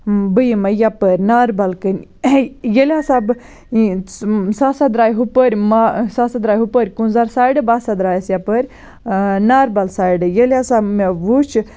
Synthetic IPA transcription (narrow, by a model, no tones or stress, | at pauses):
bɨjimɐjapəɾʲnaɾbalkɨn | jelʲasab | sasɐd̪ɾaːjɦupəɾʲmasasɐd̪ɾaːjɦupəɾʲkunzaɾsaːjɖɨbasɐd̪ɾaːjɐsjapəɾʲ | naɾbalsaːjɖɨjelʲasabmeʋut͡ʃ